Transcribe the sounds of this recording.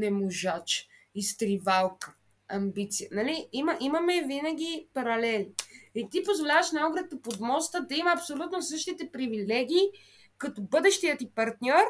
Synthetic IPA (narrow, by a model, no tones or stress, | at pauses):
nɛmoʒat͡ʃist̪ɾivalˠkə̥ | ɐmbit̪sijənɐliimɐʔimɐmɛvinɐɡ̟ipɐɾɐlɛlit̪ipozvolʲavəʃnaoɡɾət̪ɐpod̪mɔst̪əd̪ɐiməɐpsolʲut̪nosɤʃt̪it̪ɛpɾivilɛɡ̟iː | kɐt̪obɤd̪ɛʃt̪ijət̪ipɐɾt̪nʲɔɾ